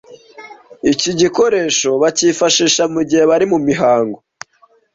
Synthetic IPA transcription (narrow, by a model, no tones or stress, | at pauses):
iciɟiko̞ɾe̞ːʃo̞βaciːfaʃiːʃamuɟihe̞βaɾimumiɦaːŋɡo